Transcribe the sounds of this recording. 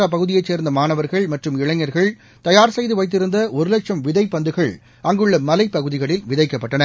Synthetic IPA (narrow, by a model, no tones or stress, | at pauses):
aːp̬ɐɣɯðɪjɐɪt͡ʃːeːɾnd̪ɐmaːnɐʋɐɾɣɐɭmɐʈrɯmɪɭɐɲːɐɾɣɐɭ | t̪ɐjaːɾsɛjðɯʋɐɪt̪ːɪɾɯnd̪ɐʔɔɾɯlɐkʂɐmʋɪðɐɪpːɐnd̪ɯɣɐɭ | ɐŋɡɯɭːɐmɐlɐɪpːɐɣɯðɪɣɐɭɪlʋɪðɐɪkːɐpːɐʈːɐnɐ